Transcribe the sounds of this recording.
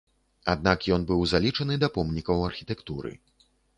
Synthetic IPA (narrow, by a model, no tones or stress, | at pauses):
ad̪̚nakjɔnbɨwzalʲit͡ʂɐnɨd̪ɐpɔmnʲikɐwɐrxʲit̪ɛkt̪uɾɨ̰